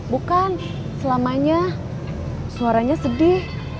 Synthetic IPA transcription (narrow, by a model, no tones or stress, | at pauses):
bukan | səlamaɲa | suaɾaɲasədɪh